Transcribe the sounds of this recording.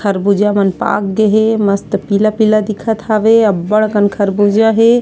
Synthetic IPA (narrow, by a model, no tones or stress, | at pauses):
kʰəɾbud͡ʒamənpa̰k̚ɡeɦeməst̪pilapilad̪ikʰət̪ʰaʋeəbːəɽkənkʰəɾbud͡ʒaɦe